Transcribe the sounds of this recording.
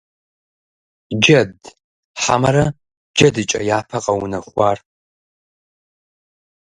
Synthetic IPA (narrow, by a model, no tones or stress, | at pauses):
d͡ʒɐd | ħa̰mɐɾɐ | d͡ʒɐdɨt͡ʃʼɐ̰jaːpʰɐqʼɐwʊnɐχʷɑːr